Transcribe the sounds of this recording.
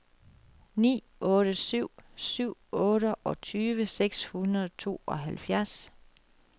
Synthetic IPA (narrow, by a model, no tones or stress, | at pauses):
nḭː | ɔ̽ːɾəsyʊ̰syʊ̰ɔ̽ːɾəʔɒ̽t͡sʰyːʋəseɡ̥shunɐðˠt͡sʰo̝̰ːɒ̽ɦælfjæɐs